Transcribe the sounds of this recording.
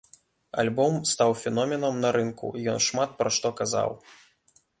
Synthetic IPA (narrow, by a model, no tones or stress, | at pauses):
a̰lʲbɔmst̪awfʲɛnɔmʲɛnɐmnɐɾɨnkṵjɔnʂmat̪̚pɾɐʂt̪ɔkaza̰w